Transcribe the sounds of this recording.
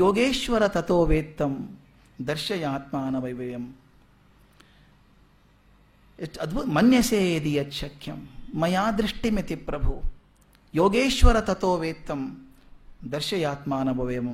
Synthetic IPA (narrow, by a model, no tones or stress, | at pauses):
joːɡeːʃʋɐɾɐt̪ɐt̪oːʋeːt̪ːɐm | d̪ɐɾʃɐjaːt̪maːnɐʋɐjʋɐjɐm | ɐd̪mɐnjɐseːɐd̪ijɐt̪ʃʰɐkʰjɐmːɐjaːd̪ɾiʂʈimit̪ipɾɐbʱu | joːɡeːʃʋɐɾɐt̪ɐt̪oːʋeːt̪ːɐm | d̪ɐɾʃɐjaːt̪maːnɐbʱɐʋɐjɐmɐ